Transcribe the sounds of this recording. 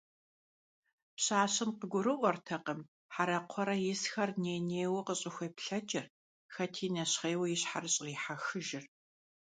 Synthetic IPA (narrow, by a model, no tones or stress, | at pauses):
pɕaːɕɪmqəɡʷʊɾɨʔʷɔrtʰɐqəm | ħaɾɐqʷʰɔɾɐjɪsxɐrneːneːwqəɕʼɪxʷeːpɬɐd͡ʒʼɪr | xɐtʰiːnɐɕχeːwɐjɪɕħarɨɕʼʁiːħaxɨʒɪr